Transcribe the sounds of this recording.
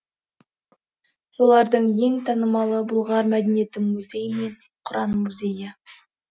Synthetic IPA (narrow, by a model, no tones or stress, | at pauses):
so̞lˠɑɾd̪əɴje̞ŋt̪ʰɑnəmɑlˠəbʊlˠʁɑɾmæd̪enijet̪ɪmuzʲe̞jme̞ɴqʰʊɾɑnmuzʲe̞jɪ